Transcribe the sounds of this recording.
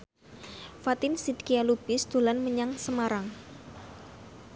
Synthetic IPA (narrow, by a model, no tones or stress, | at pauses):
fat̪ɪnsid̪kialub̥ɪsd̪̥o̤lanməɲaŋsəmaɾaŋ